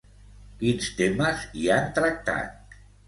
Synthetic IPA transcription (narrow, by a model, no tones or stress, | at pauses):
kinst̪eməziant̪ɾək̚t̪a̰t̪̚